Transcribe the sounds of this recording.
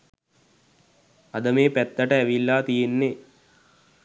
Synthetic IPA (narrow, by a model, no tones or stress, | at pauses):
ad̪əmeːpæt̪ːəʈəæʋilːaːt̪ijenːe